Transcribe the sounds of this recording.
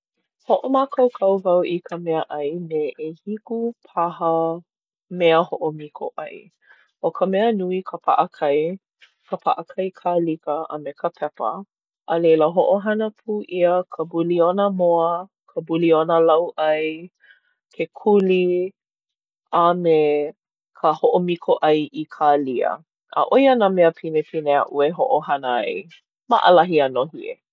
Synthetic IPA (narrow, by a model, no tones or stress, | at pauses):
hoʔomakʰɐwkʰɐwvɐwʔikʰəmɛəʔɐjneʔehikupʰaɦə | mɛəhoʔomikʰo̰ʔɐ̰j | okʰəmɛənuikʰəpʰa̰ʔəkʰɐj | kʰəpʰa̰ʔəkʰɐjkʰalikəə̰mekəpʰɛpə̰ | ʔəleləɦoʔoɦɐnəpʰuːʔiəkʰəbulionəmoə | kʰəbulionəlɐwʔɐj | kʰekʰuli | ame | kʰəhoʔomikʰoʔɐjʔikʰaːliə̰ | ʔə̰ʔojənameəpʰinepʰineəʔueɦoʔohanəaj | ma̰ʔə̰lɐɦianoɦiḛ